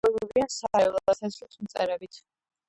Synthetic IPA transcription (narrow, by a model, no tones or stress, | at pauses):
ɛlˠuɾiansaɛlˠɔasɛslˠsmt̪sʼɛ̰ɾɛbit̪ʰ